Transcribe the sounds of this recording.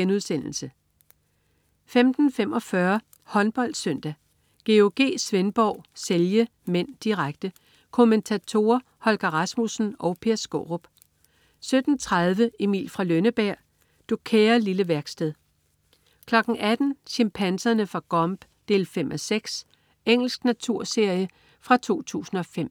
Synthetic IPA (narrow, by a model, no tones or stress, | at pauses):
enuðˠsen̰l̩sə | femd̥n̩fem̰ʔɒ̽fɶɐ | hɒ̽nb̥ɒ̽l̰d̥sœn̰d̥æ | ɡ̥e̝oɡ̥e̝̰ːsʋenb̥ɒʊ̰seljə | men̰d̥iʁaɡ̥̚d̥ə | kʰo̝ment͡sʰæt͡sʰo̝ɐ | hɒ̽lɡ̥ɐʁɑsmusn̩ɒ̽ʊpʰe̝ɐsɡ̥o̰ʁob̥ | sød̥n̩t͡sʰʁað̞ˠʋəimḭːlfʁɑ̈lønəb̥æɐ̰ | d̥okʰeːɐliləʋæɐɡ̥sd̥eðˠ | kʰlɒ̽ɡ̥ŋ̩ʔæd̥n̩ɕempʰænsɐnəfʁɑ̈ɡ̥ɒ̽mb̥ | d̥e̝̰ːlfem̰ʔɒseɡ̥s | eŋ̰l̩sɡ̥næt͡sʰuɐ̰se̝ɐ̰jə | fʁɑ̈t͡sʰo̝̰ːt͡sʰṵːsn̩ɒ̽fem̰